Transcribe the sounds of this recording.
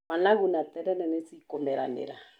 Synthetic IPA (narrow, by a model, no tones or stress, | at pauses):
wanaɣunat̪ɛɾɛnɛnɛt͡sikɔmɛɾa̰nɛ̰ɾa